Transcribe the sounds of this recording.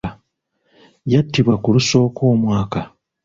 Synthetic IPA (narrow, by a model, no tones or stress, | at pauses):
jatːiβwakuluso̞ːko̞ːmwaːka